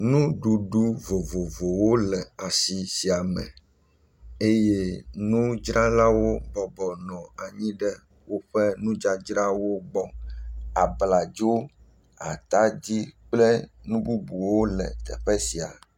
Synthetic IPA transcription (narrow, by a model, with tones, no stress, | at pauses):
nũ˦ɖu˨ɖu˦vo˨vo˨vo˨wo˦lɛ˨a˨si˨si˨a˨mɛ̰̃˨ | e˦jɛ˦nũ˦d͡ʒɾa˦la˦wo˦bɔ˨bɔ˨nɔ̃˨a˨ɲĩ˦ɖɛ˦ | wo˦ɸɛ˦nũ˦d͡ʒa˦d͡ʒɾa˦wo˦ɡ͡bɔ˦a˨bla˨d͡ʒo˦ | a̰˨t̪a˦d͡ʑi˦k͡plɛ˦nũ˦bu˦bu˨wo˦lɛ̰˨t̪ɛ̰˨ɸɛ˦si˨a̰˨